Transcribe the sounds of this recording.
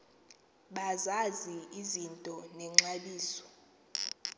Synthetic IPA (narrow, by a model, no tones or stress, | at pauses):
ɓazaziizintʼɔnɛŋ͡ǁaɓiːsɔ̥